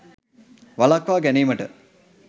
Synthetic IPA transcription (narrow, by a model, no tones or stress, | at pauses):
ʋalakʋaːɡæniːməʈə